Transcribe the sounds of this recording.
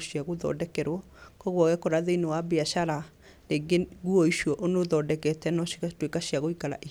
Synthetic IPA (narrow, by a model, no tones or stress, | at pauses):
ʃiaɣoðɔ̰dɛkɛɾwɔ | kɔɣwɔɣɛkɔɾaðeinewabeaʃaɾa | neɡeɣuɔiʃiɔʔonoðɔdɛkɛtɛnɔʃitwekaʃiaɣoikaɾa̰ʔi